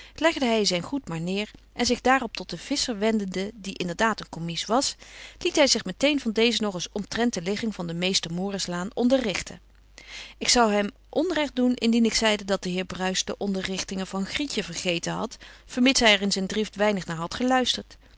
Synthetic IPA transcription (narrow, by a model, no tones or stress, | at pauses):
lɛχdəɦɛjzɛjnχutmaːɹnɪːɹʔɛnzɪχdaːrɔp̚tɔt̚dəv̥ɪsəɹʋɛndəndədiʔɪndəɹdaːtənkɔmisʋɑslitɦɛjzɪχmətejnvɑndejzənɔχɪsɔmtrɛnt̚dəlɪχɪŋvɑndəmejstəɹmʊːrɪslaːnɔndərɪχtʰə̰ | ɪksɑwɦɛm | ʔɔnrɛχtdunɪ̰ndinɪksɛjdədɑt̚d̥əɦɪːɹbrœɥsdə̰ʔɔndərɪχtɪŋəvɑnχricəvəɹχejtənɦɑ̰tfəɹmɪtɦɛjɛɹɪnzɛjndrɪftʋɛjnəχnaːɹɦɑtχəlœɥstəɹt